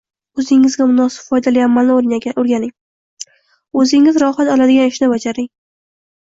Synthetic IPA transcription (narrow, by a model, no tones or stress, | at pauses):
ɵzɪŋːɪzɡʲamʊnɒsɪ̥pfɒjd̪alijamalnɪoɾnʲoɾɡʲanɪŋ | ɵzɪŋɪzɾɒhat̪ɒlad̪ɪɡʲanɪʃnɪbad͡ʒaɾɪŋ